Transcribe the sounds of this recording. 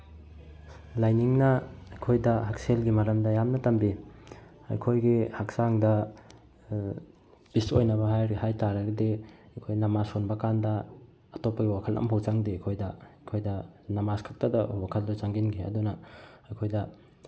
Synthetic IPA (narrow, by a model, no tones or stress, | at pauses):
lajniŋnɐɐjkʰojdɐhakselɡimɐɾɐmdɐjamnɐtɐmbi | ɐ̰jkʰojɡihak̚saŋdɐ | biso̰jnɐβɐɦajɾihajtaɾɐɡɐdeɐjkʰojnɐmasonbɐkandɐː | topːɐɡiwakʰɐlʔɐ̰mpʰawt͡ʃaŋdijkʰojdɐjkʰojdɐnɐmaskʰak̚tɐdɐwakʰɐldot͡ʃaŋɡinɡiɐ̰dunɐɐjkʰojdɐ